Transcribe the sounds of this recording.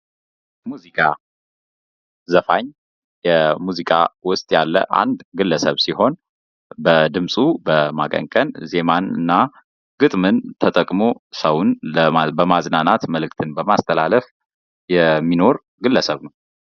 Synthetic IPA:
muzikʼa | zəfaɲ | jɛmuzikʼa̰wʊst̪ʼjalːə̰ʔa̰nd̪ɡɨlːəsəβsiho̞n | bəd̪ɨmsʼubəmakʼə̰ŋkʼənze̞manɨ̰nːa | ɡ̥ɨt̪ʼmɨnt̪ʰət̪ʼəkʼmo̞səwunbəmaznanat̪məlɨk̚ʼt̪ʰɨnbəmast̪ʰəlaləf | jɛmːino̞ɾ | ɡɨlːəsəβnəw

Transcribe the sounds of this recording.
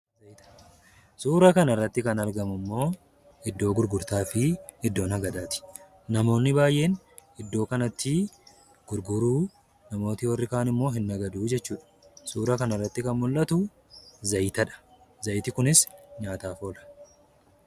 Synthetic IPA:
zɐjt̪ɐ̥ | suːɾɐkɐnɪrːɐt̪ːɪkɐnɐɾɡɐmʊmːo̞ː | ɪd̪ːo̞ːɡʊɾɡʊɾt̪aːfɪɪd̪ːo̞ːnhɐɡɐd̪aːt̪ɪ̥ | nɐmo̞ːnːɪbaːjʔe̞ːn | ɪd̪ːo̞ːkɐnɐt̪ːɪ | ɡ̥ʊɾɡʊɾuː | nɐmo̞ːt̪ɪwɐrːɪkaːnɪmːo̞ːɦɪnːɐɡɐd̪uːd͡ʒɛt͡ʃːuːᶑɐ̥ | suːɾɐkɐnɪrːɐt̪ːɪkɐnmʊlːɐt̪ʊ | zɐjt̪ɐᶑɐ̥ | zɐjt̪ɪkʊnɪsɲaːt̪aːfoːlɐ̥

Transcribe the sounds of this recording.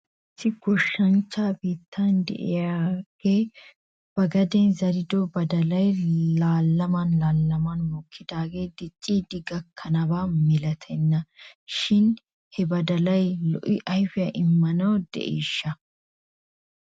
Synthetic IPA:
ɪsːɪɡ̥ɔʃːɐnt͡ʃːaːbiːt̪ːand̪ɛ̰ʔɪ̰jaːɡ̥e̞ː | b̥ɐɡɐd̪ɛnzɐɾɪd̪ɔbɐd̪ɐlɐjlaːlːɐmɐnlaːlːɐmɐnmɔkʰːɪd̪aːɡe̞ːd̪ɪt͡ʃʼːiːd̪ɪɡɐkʰːɐnɐbaːmɪlɐt̪ʰɛnːɐʃɪn | hɛbɐd̪ɐlɐjlɔ̰ʔɪʔɐjfɪjɐʔɪmːɐnɐwd̪ɛ̰ʔeːʃːɐ

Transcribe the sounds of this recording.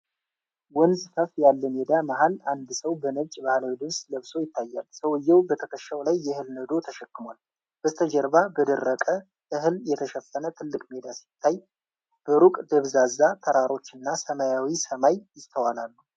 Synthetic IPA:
wɔnzfəfjalːəmed̪amahaland̪səwbənət͡ʃʼbahlawid̪ɨβsləβso̞jɪt̪ʰːajːalsəwɨjːɛwbət̪ʰəkʰəʃːawlajːɛhɨlnəd̪o̞t̪ʰəʃɛkːɨmal | b̥ət̪ʰəd͡ʒəɾbabəd̪ərːəkʼə | ʔɨɦɨljɛt̪ʰəʃɛfːənət̪ʰɨlːɨkʼmed̪asi̥t̪ʰːaj | b̥əɾukʼd̪əβzazːat̪ʰəɾaɾo̞t͡ʃːɨnːasəmajawisəmajjɪst̪ʰəwalalːu

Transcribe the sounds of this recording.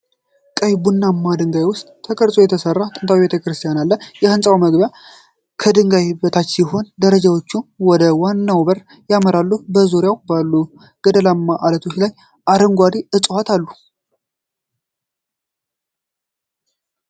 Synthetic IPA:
kʼəjbunːamːad̪ɨŋɡajwʊst̪ʼt̪ʰəkʰʼəɾsʼo̞jɛt̪ʰəsərːat̪ʼɨnt̪ʰawibet̪ʰəkɾɨst̪ʰijanalːəjɛhɨnsʼawməɡbja | kʰəd̪ɨŋɡajbət̪ʰat͡ʃːjɪɦo̞nd̪əɾəd͡ʒawot͡ʃːuwɔd̪əwanːawbəɾ | jaməɾalːubəzuɾjawbalːu | ɡ̥əd̪əlamːaʔalət̪ʰo̞t͡ʃːlaj | ʔad̪əŋɡʷad̪iɨsʼhat̪ʰalːu

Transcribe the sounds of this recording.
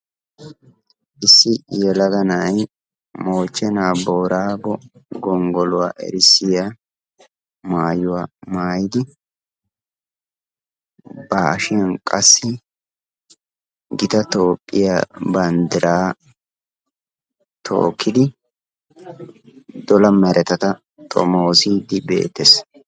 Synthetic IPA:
ʔɪsːɪjɛlɐɡɐnɐj | mo̞ːt͡ʃʼːɛnaːboːɾaːbɔɡɔŋɡɔlʊwa̰ːʔɛ̰ɾɪsɪja | maːjʊwaːmaːjɪd̪ɪ | baʃɪjɐnkʼɐsːɪ | ɡɪt̪ɐt̪o̞ːpʼːɪjabɐnd̪ɪɾaː | t̪ʰo̰ːkʰːɪd̪ɪ | d̪ɔlɐmɛɾɛt̪ɐt̪ɐ | t̪ʼɔ̰moːsiːd̪ɪbḛːt̪ːɛs

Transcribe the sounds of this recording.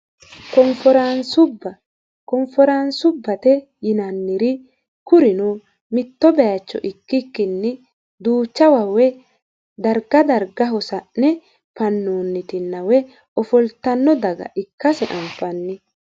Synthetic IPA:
kɔmfɔɾansʊbɐ | kɔmfɔɾansʊbːɐt̪ɛ | jɪnɐnːɪɾɪ | kʊɾɪnu | mɪt̪ːɔbɛjɐt͡ʃːɔ̰ʔɪkːɪkːɪnːɪ | d̪uːt͡ʃːɐwɐwɛ | d̪ɐɾɡɐd̪ɐɾɡɐɦɔsɐʔnɛ | pɐnːuːnːɪt̪ɪnːɐwɛ | ɔfɔlt̪ːɐnːɔd̪ɐɡɐ̰ʔɪkːɐsɛʔɐmfɐnːɪ

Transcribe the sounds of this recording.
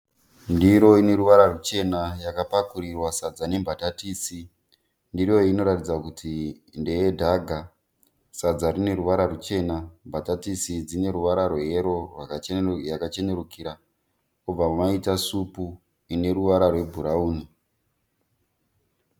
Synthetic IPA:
ndiɾo̞ine̞ɾuʋaɾarut͡ʃe̞najakapakuɾirwasad͡zane̞mbʱatatiːsi | ndiro̞ino̞ɾatid͡zakutʰi | nde̞jedʱaɡʱa | sad͡zaɾine̞ruʋaɾarut͡ʃe̞nambʱatatisid͡zine̞ɾuʋaɾarweɦeɾo̞rwajakat͡ʃe̞ɲeɾukiɾa | ub͡vamumaitasupu | ine̞ɾuʋaɾarwe̞bʱuɾauːni

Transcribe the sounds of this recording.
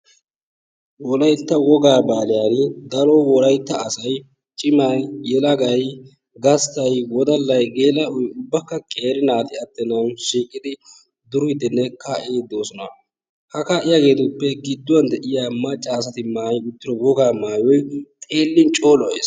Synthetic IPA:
wɔlɐjt̪ːɐwɔɡaːbaːlɪjanɪd̪ɐlowɔlɐjt̪ːɐːsɐj | t͡ʃʼɪmajjɛlɐɡɐj | ɡɐst̪ɐjwɔd̪ɐlːɐjɡeːlɐɔjʊbːɐkːɐkʼe̞ːɾɪnaːt̪ɪɐt̪ːɛnɐwʃiːkʼːɪd̪ɪ | d̪ʊɾʊɪd̪ɪnːɛkaːʔeːd̪o̞ːsɔnɐ | hɐkaːʔɪjaːɡe̞ːt̪ʊpːɛɡɪd̪ːʊwɐnd̪ɛʔɪjamɐt͡ʃʼːaːs̬ɐt̪ɪmaːjʊt̪ːɪɾɔwɔɡaːmaːjɔjt̪ʼeːlːɪnt͡ʃʼo̞ːlɔḛːs

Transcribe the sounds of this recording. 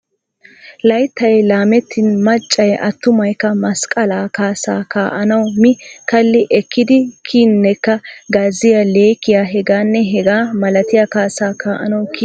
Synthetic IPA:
lɐjt̪ːɐjlaːmɛt̪ʰːɪnmɐt͡ʃʼːɐjʔɐ̰t̪ːʊmɐjkːɐmɐskʼɐlaːkaːsa̰ːkaːʔɐnɐwmɪkɐlːɪʔɛkʰːɪd̪ɪkʰiːnːɛkːɐɡaːzːɪjɐleːkːɪjaːɦɛɡaːnːɛɦɛɡaːmɐlɐt̪ɪjakaːsaːkaːʔɐnɐwki

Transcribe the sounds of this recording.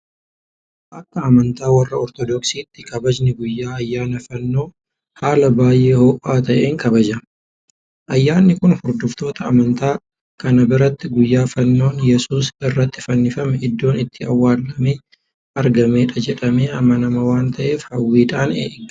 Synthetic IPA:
ʔɐkːɐːmɐnt̪aːwɐrːɐɔɾt̪ɔd̪ɔksiːt̪ːɪkɐbɐd͡ʒnɪɡʊjːaːɐjːaːnɐfɐnːo̞ː | haːlɐbaːjʔe̞ːhoːʔaːt̪ɐʔeːŋkɐbɐd͡ʒɐ | ʔɐjːaːnːɪkʊnhʊɾd̪ʊft̪o̞ːt̪ɐːmɐnt̪aː | kɐnɐbɪɾɐt̪ːɪɡʊjːaːfɐnːo̞ːnjɛsuːsɪrːɐt̪ːɪ̥fɐnːɪfɐmɛɪd̪ːo̞ːnɪt̪ːɪɐwːaːlːɐmeː | ɐɾɡɐmeːᶑɐd͡ʒɛᶑɐmeːɐmːɐnɐmɐwaːnt̪ɐʔe̞ːfhɐwːiːᶑ̪aːnḛːʔɡ

